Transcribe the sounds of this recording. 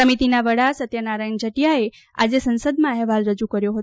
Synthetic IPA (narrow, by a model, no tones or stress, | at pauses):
əmit̪inaʋəɽasət̪jənaɾajɳd͡ʒəʈijae | a̰d͡ʒesənsəd̪mãɛɦʋalɾəd͡ʒukəɾjoɦət̪